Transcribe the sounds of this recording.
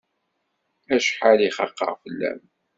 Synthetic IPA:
æʃħaliχɑqːɑ̰ʁfəlːæ̰m

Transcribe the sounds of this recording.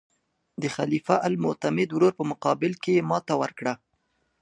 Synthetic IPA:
d̪əxalifaʔalmʊt̪amɪd̪wɾoɾpəmʊqɑbɪlkejemɑt̪awəɾkɽa

